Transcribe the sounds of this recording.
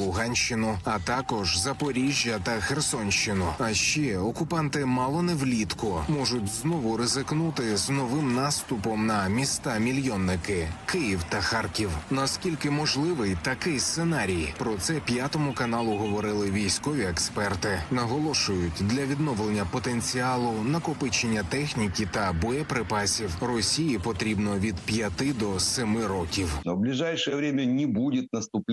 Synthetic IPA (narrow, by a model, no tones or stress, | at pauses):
lˠʊɦɑnʲʃt͡ʃɪnʊɐt̪ɑkɔʒzɐpɔɾʲiʒʲːɐt̪ɐxersɔnʲʃt͡ʃɪnʊɐʃt͡ʃɛɔkʊpɑnt̪ɪmɑlˠɔnɛwlʲit̪kʊmɔʒʊtʲznɔʋʊɾezɪknut̪ɪznɔʋɪmnɑst̪ʊpɔmnɐmʲist̪ɑmʲilʲjɔnːɪkɪkɪjiwt̪ɐxɑrkʲiwnɐskʲilʲkɪmɔʒlˠɪʋɪjt̪ɐkɪst̪senɑɾʲijpɾɔt̪sɛpʲjat̪ɔmʊkɐnɑlˠʊɦɔʋɔɾɪlˠɪʋʲijsʲkɔʋʲiekspɛrt̪ɪnɐɦɔlˠɔʃʊjʊtʲd̪lʲɐʋʲid̪nɔʋlˠenʲːɐpɔt̪enʲt͡sʲiɑlˠʊnɐkʊpɪt͡ʃenʲːɐt̪ɛxnʲikʲit̪ɐbɔɛpɾɪpɑsʲiwrɔsʲijipɔt̪ɾʲibnɔʋʲid̪pʲjɐt̪ɪd̪ɔsɪmɪɾɔkʲiwnɔblʲɪʐajʂəjɛʋɾʲemʲɐnʲɪbudʲɪt̪̚nɐst̪ʊpʲ